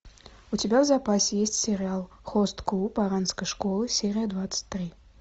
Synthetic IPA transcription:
ut͡sʲibʲawzapasʲjesʲt͡sʲsʲɛɾʲɨalˠ | xɔst̪klupaɾanskəjʂkɔlˠɨsʲɛɾʲijɐd̪vat̪sə̥t͡sʲt̪ːɾɨ

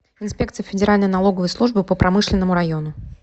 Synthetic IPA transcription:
ɪnspʲe̞k̚t̪sɨjəfʲɪdʲɪɾalʲnəjnɐlˠo̞ɡəvəjslˠuʐbɨpəpɾʔɐmɨʂlʲɪnːəmʊɾɐjo̞nʊ

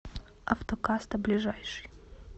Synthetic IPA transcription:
ɐ̰ft̪okast̪ɐblʲiʐajʂɨ̥j

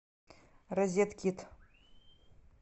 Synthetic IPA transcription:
rɐzʲet̪kʲʰit̪ʰ

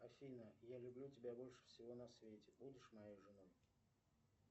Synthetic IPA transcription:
ɐfʲinəjalʲʊblʲutʲɪbʲabo̞lʲʂɨ̥fsʲɪvo̞nɐsvʲetʲɪ̥budʲɪʂmɐjejʐɨnoj

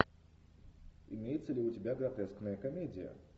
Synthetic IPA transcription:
ḭmʲejɛt̪sɐlʲiutʲɪbʲaɡɾat̪ɛsknəjɐkamʲedʲijə̰

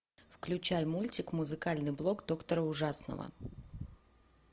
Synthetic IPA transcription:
fklʲʉt͡ɕajmulʲtʲɪkmʊzɨkalʲnɨjblˠo̞kd̪o̞kt̪əɾəʊʐasnə̰və̰

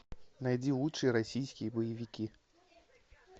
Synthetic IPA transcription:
najdʲilˠutʂɨjəɾɐsʲijskʲɪjəbəjɪvʲɪkʲi

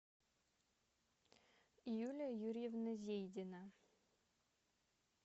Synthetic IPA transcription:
ijulʲəjuɾʲjɛvnɐzʲejd̪ʲɪnə

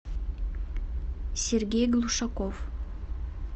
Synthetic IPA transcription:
sʲerɡʲejɡlˠuʃɑkof

